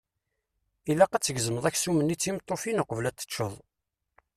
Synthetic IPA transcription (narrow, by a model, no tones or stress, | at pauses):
ilæqæt͡sːəɡzəməðˤæçsumənːit͡sːimt̪ˤːofinəqəvlæt̪ːə̥t͡ʃːəðˤ